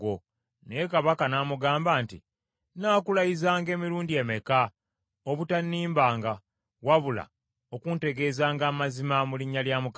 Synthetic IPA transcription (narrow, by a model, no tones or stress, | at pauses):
o | neekaβakanaːmuɡaːmbaːntḭ | naːkulajizaːŋɡe̞ːmiɾuːndie̞meka | oβutanːiːmbaːŋɡa | waβula̰ | o̞kunte̞ɡe̞ːzaːŋɡaːmazimamuliɲːaljaːmuk